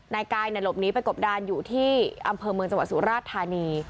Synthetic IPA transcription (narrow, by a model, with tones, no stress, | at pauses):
naː˧jkaː˧jna˨˩lo˨˩p̚niː˦˥pa˧jko˨˩p̚daː˧njuː˨˩t̪ʰiː˥˩ʔa˧mpʰɤː˧mɯ˧əŋt͡ɕa˧wa˨˩t̪̚su˨˩˦ɾaː˥˩t̪ʰːaː˧niː˧